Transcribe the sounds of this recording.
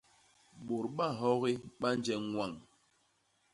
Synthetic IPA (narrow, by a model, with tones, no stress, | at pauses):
ɓo˨ɾɓa˦˨ɦɔ˦ɣi˦ɓa˦n˦d͡ʒɛ˨˦ŋwa˦˨ŋ